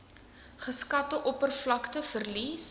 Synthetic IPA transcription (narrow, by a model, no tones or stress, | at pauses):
χəskɐtəʔɔpərflɐktəfərlis